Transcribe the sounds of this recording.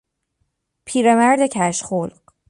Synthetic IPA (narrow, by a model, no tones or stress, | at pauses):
pʰiːɾemæɾd̪e̞cʰæʃχolɢ